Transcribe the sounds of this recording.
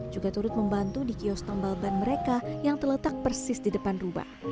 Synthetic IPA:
d͡ʒuɡat̪uɾʊt̪̚məmbant̪udikiɔst̪ambalbanməɾekajaŋt̪ərlət̪ak̚pərsɪsdidəpanruba̰h

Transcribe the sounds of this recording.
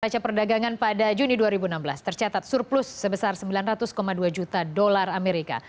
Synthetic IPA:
at͡ʃapərdaɡaŋanpadad͡ʒuniduaɾibunambəlast̪ərt͡ʃat̪at̪̚surplʊsːəbəsarsəmbilanrat̪ʊskomaduad͡ʒut̪adolarameɾika̰

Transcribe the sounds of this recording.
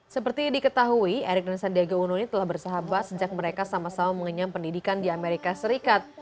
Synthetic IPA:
səpərt̪idikət̪aɦuieɾɪk̚dansandiaɡaununit̪əlahbərsaɦabat̪̚səd͡ʒak̚məɾekasamasamaməŋəɲampəndidikandiameɾikasəɾikat̪̚

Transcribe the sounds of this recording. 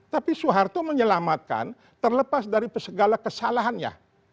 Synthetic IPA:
t̪apisuɦart̪oməɲəlamat̪̚ka̰n | t̪ərləpasdaɾipəsəɡalakəsalaɦanja̰

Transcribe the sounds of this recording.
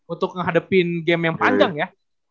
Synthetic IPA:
unt̪ʊk̚ŋəɦadapɪnɡɛmjaŋpaɲd͡ʒaŋja

